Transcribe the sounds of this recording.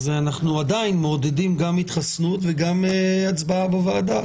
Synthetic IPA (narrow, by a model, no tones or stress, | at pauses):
zeanaχnuad̪ainmeod̪edimɡamit̪χasnut̪veɡameat͡sbaabavaːd̪a